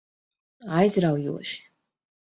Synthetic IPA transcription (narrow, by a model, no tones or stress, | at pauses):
ajzɾawjṵɔʃi̥